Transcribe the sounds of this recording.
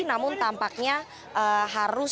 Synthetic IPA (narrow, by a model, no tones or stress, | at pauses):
namʊnt̪ampak̚ɲa | ʔəɦaɾʊs